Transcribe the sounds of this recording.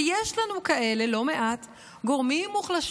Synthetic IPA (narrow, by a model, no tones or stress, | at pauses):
jeʃlanukaʔe̞le̞lo̞me̞ʔat | ɡo̞ʁmimːuχlaʃ